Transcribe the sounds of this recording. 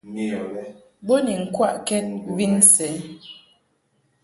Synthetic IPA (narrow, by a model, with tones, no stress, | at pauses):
bo˦ni˨ŋ̩˦kwa˦˨ʔkɛ˦t̚vi˦n˦sɛ˨˦